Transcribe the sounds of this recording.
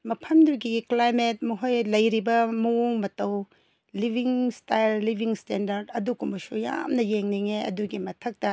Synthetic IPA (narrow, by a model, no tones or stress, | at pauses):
mɐpʰɐmduɡiklajmet̚mɐɦojlɐjɾibɐmɐoŋmɐtɐw | libʱiŋstajlːibʱiŋstendɐɾdɐduɡumbɐsuja̰mnɐjeŋniŋeɐ̰duɡimɐtʰɐk̚tɐ